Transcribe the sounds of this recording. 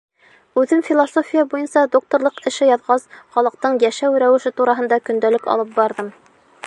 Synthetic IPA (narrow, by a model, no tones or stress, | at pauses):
ʉðɘmfʲilˠosofʲijɑbujɤnsɑd̪ok̚t̪oɾlˠɤqɘ̆ʃɘjɑðʁɑsχɑlˠɤ̆q̚t̪ɤɴjæʃæwɾæwɘ̆ʃɘt̪uɾɑɦɤ̆nd̪ɑkɵ̆nd̪ælɘkɑ̰lˠɤp̚bɑɾðɤm